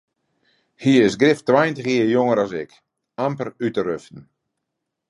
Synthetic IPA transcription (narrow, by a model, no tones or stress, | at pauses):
hiəɪsɡrɪftwajəntəxiəjoŋəɾasɪk | ampərytərøftn̩